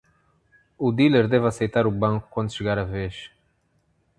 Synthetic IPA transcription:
ud̪ileɾd̪ɛvɐsejt̪aɾubɐ̃ŋku̥kːwɐ̃nd̪uʃɪɡaɾɐveʃ

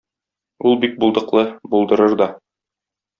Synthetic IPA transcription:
ulˠbik̚bulˠd̪ɤ̆qlˠɤbulˠd̪ɤ̆ɾɤɾd̪ɒ

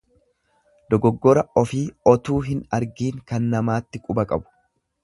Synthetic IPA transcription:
d̪̥ɔɡɔɡːɔɾɐɔfiːɔt̪uːɦɪnɐɾɡiːŋkɐnːɐmaːt̪ːɪkʼʊbɐkʼɐbʊ̥

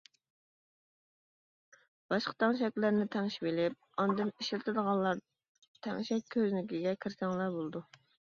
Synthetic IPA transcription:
b̥ɑʃqə̥t̪ʰɑŋʃɛkʲlɪɾnɪt̪ʰɛŋʃibelɪp̚ɑnd̪ɨniʃlt̪ʰɪd̪əʁɑlːˠɑɾ | t̪ʰɛ̰ŋʃɛk̚ʲkʲʰːøznɪkʲiɡʲɛkʲʰiɾsɛŋlˠɑɾbolˠd̪u

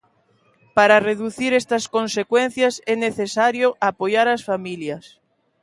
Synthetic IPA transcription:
paɾareðuθiɾɛst̪ɐskonsekwen̟θjasɛneθesaɾjoʔapojaɾasfamiljas

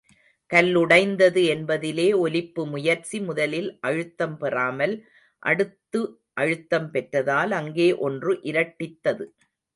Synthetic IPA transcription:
kɐlːʊɽɐɪnd̪ɐðɯɛnbɐðɪleːɔlɪpːɯmʊjɐɾt͡ʃimʊðɐlɪlʔɐɻɯt̪ːɐmpɛraːmɐl | ʔɐ̰ɽɯt̪ːɯ | ʔɐɻɯt̪ːɐmpɛʈrɐðaːlɐŋɡeːʔɔndrɯʔɪɾɐʈːɪt̪ːɐðɯ

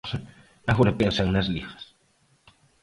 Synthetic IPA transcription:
aɣunapensaŋnazlixḁs

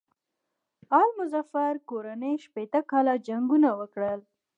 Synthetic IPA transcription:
ɑlmʊzafaɾkoɾanejʃpet̪əkɑlad͡ʒaŋɡunawəkɽəl

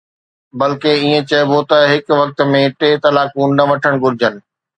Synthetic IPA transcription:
bɐlkeiːẽt͡ɕɐbot̪ɐɦɪkʋɐk̚t̪̆mẽʈeːt̪ɐlaːkũːnnɐʋɐʈʰəɽ̃ɡʊɾɪd͡ʑənɪ̆

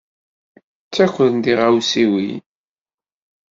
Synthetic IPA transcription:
t͡sːækʷːəðnd̪iʁawsiwḭ

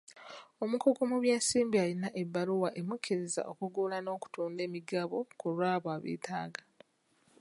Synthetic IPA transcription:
o̞mukuɡumuβje̞ːsiːmbialinaʔebːaluwaʔe̞mukʰːiɾeza̰ʔo̞kuɡulano̞ːku̥tuːnde̞ːmiɡaβo̞kulwaːβwaβḛːtʰaːɡa

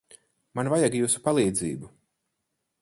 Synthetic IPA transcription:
manvajaɡjuːsu̥palˠiːd̪ziːbu

